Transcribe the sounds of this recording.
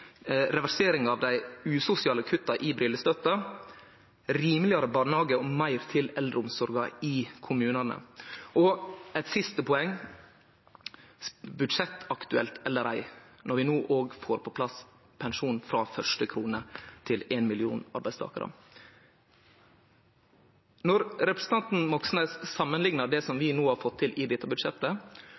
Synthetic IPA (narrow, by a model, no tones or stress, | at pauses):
ɾɛʋæɾseːɾɪŋɑʋd̪æɪʉːsʊsɪɑːləkʰʉt̪ːɑʔɪbɾɪlːəst̪œt̪ɑ | ɾiːməlɪɑɾəbɑːɳhɑːɡəɔmæɪɾt̪ʰɪlɛld̪ɾəʊmsɔɾɡɑikʰʊmʉːnɑnə̰ʔɔɛt̪sɪst̪əpʰɔɛŋː | bʉd̪ʂɛt̪ːɑkt̪ʉɛlt̪ʰɛlːəɾæɪnɔɾʋɪnoːʔoːɡfoːɾpʰɔpʰlɑs | pʰɛnʂuːnfɾɑːfœʂʈəkʰɾuːnəɾt̪ʰɪleːnmɪlɪṵːnɑ̰ɾbæɪst̪ʰɑ̰ːkəɾʔə̰ | nɔɾɾɛpɾəɛsət̪ɑnt̪n̩mɔksnəssɑmːənlɪŋnəɖ̪ɛsɔmʋɪnoːhɑɾfɔt̪ʰːɪlʔɪd̪ɛt̪ːəbʉd̪ʂɛt̪ːə